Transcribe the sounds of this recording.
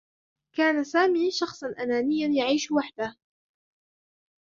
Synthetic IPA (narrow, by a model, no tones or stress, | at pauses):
kaːnasaːmiːʃɑxsˤɑnʔanaːnɪjːanjaʕiːʃwaħd̪ah